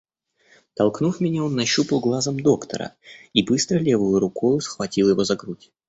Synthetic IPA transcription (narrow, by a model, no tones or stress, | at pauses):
t̪ɐlˠknufmʲɪnʲao̞nːɐɕːupəlˠɡlˠazəmd̪o̞kt̪ə̰ɾə̰ibɨst̪ɾəlʲe̞vɨjʊɾʊkojˠʊsxvɐtʲilˠjɪvo̞zɐɡɾutʲ